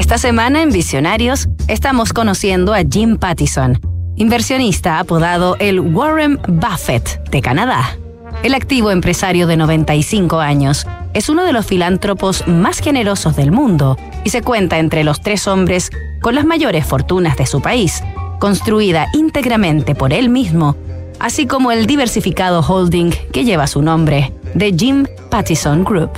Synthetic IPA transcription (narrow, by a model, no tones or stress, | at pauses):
est̪asemãnaembisjo̞naɾjosest̪amosko̞nosje̞nd̪oaʝimpat̪isonimbeɾsjo̞nist̪aapoðað̞oʔelwoɾembafet̪d̪ekanaða | elak̚t̪iβ̞oempɾesaɾjoðe̞noβ̞ẽ̞nt̪aisiŋkoaɲo̞sesunoð̞e̞lo̞sfilant̪ɾoposmasxe̞ne̞ɾo̞sozðe̞lmũnd̪o̞ | ise̞kwe̞nt̪ae̞nt̪ɾelo̞st̪ɾe̞sõ̞mbɾe̞s | ko̞nlazmaʝo̞ɾe̞sfo̞ɾt̪unazðe̞supaisko̞nst̪ɾuiðaʔint̪e̞ɣɾamẽnt̪e̞po̞ɾe̞lmizmo̞ | a̰siko̞moeld̪iβeɾsifikaðoxold̪iŋke̞ʝe̞β̞asunõ̞mbɾe̞ðe̞ʝim | pat̪isoŋɡɾup